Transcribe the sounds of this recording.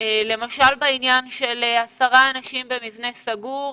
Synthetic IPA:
ele̞maʃalbainjanʃe̞leasaʁaːnaʃimbe̞mivne̞saɡuʁ

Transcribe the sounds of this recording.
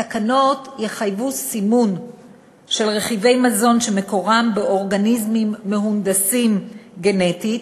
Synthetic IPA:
akano̞tjeχajvusimun | ʃe̞lʁe̞χive̞jmazo̞nʃe̞me̞ko̞ʁambeo̞ʁɡanizmimːe̞hund̪asimɡe̞neti

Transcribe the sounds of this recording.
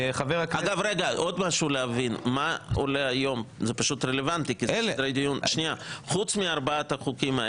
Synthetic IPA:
χaveʁakaɡavɾeɡaʔod̪maʃuleavinmaolehajo̞mzepaʃut̪ɾelevant̪ikiɾejd̪ijunʃniaχut͡smiaɾbaat̪aχukimae

